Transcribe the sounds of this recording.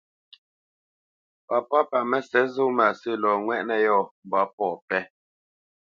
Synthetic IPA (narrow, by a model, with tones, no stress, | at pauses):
pa˨pɔ˦pa˨mɛ˨sɛ˨˦zo˦ma˨sə˦˨lɔː˨ŋwɛ˦ʔnɛ˨jɔː˦˨m˨bɔ˨˦pɔː˨pɛ˦